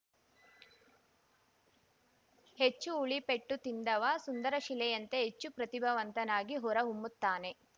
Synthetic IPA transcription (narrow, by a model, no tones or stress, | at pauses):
het͡ʃːuːɭipe̞ʈːut̪ind̪ɐʋɐsund̪ɐɾɐʃilɛjɐnt̪eɦet͡ʃːupɾɐt̪ibʱɐʋɐnt̪ɐnaːɡiɦɔɾɐɦumːut̪ːaːne̞